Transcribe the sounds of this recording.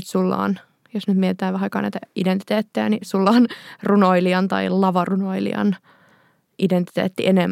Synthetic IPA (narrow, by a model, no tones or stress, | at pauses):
t̪sulːɑ̰ːn | josnyt̪miet̪et̪æːʋʋæhɑikɑ̰ːnæ̰jt̪æident̪it̪eːt̪ːejænisulːɑːnrunoiliɑnt̪ɑ̰ilɑʋɑrunoilḭɑ̰n | ʔident̪i̥t̪ḛːt̪ːiʔenemː